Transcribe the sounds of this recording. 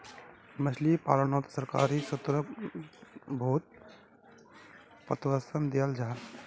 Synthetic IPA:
mɐt͡ʃʰlipa̰ːlənɔːt̪sɐɾka̰ːɾisʊt̪ɾə | bʱoːt̪̚ | pə̰t̪ʋəsəmd̪ijald͡ʒaːn

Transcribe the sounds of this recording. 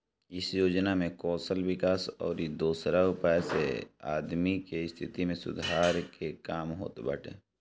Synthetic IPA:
ɪsjoːd͡ʒnamẽkɔːsəlwɪkaːsɔ̰ːɾid̪oːsɾaʊpəjsḛa̰ːd̪mikeɪst̪ʰɪt̪imẽsʊ̰d̪ʱaːɾkekaːmɦo̰ːt̪bə̰ʈʰḛː

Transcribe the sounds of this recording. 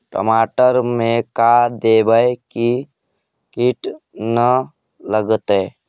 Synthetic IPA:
ʈə̰maːʈəɾmẽkad̪eːbəeki | kiʈnə | ləɡət̪eː

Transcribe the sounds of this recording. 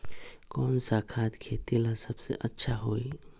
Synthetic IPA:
kɔːnsakʰat̪kʰet̪ilasəbsḛʔətːʃʰaɦoːi

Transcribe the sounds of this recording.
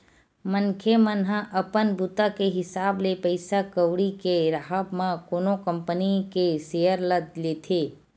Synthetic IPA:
mənkʰemənɦãʔəpənbʱut̪akeɦɪsaːblepəɪsakəʋɽikeɾaɦəbmãkoːnokəmpənikesejəɾləd̪leːt̪ʰe

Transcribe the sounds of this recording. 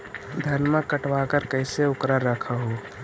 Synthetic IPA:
d̪ʱɐnmãkəʈʋaːkəɾkəɪseʊkɾaɾəkʰaɦo

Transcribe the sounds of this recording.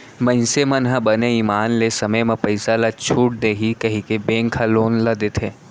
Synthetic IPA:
mɐ̃ɪ̃nsemɐ̃nɦɐ̃bɐneiːmaːnlesɐməjmẽpɐɪsalat͡ʃʰuːʈ̚d̪eːɦikɐɦĩkebẽːŋkʰaloːnlɐd̪et̪ʰeː

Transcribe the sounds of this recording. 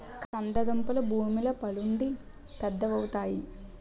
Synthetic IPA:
kɐnd̪ɐd̪ɐmpulɐbʱuːmilɐpɐluɳɖi | pɛd̪ːɐʋɐwut̪aːji

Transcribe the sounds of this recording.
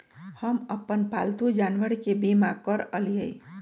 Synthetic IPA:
həməpːənpa̰lt̪ud͡ʒanʋəɾkebimakəɾəlijəi

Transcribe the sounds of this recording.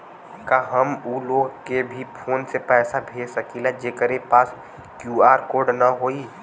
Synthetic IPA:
kaɦəmuːloːɡkebʱipʰoːnsepɛːsabʱeːsəkilad͡ʒeːkəɾepaːs | kjuːaːɾkoːɾɖnaɦoːiː

